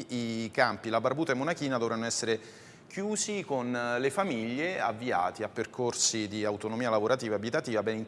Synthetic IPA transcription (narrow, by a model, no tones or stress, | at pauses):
ikampilabarbuːt̪aɛmːonakiːnad̪ovɾanːoɛsːeɾe | kjuːzikonlefamiʎːeavːia̰ːt̪iapːerkorsid̪iawt̪onomiːalavoɾat̪iːvabit̪at̪iːvabɛnin